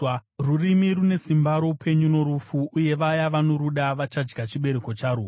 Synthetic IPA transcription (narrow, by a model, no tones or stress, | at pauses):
rurimiɾune̞simbaɾo̞pʰe̞ɲuno̞ɾufuuje̞ʋajaʋano̞ɾuɗaʋat͡ʃad͡ʒɡat͡ʃiɓe̞ɾe̞ko̞t͡ʃaɾuː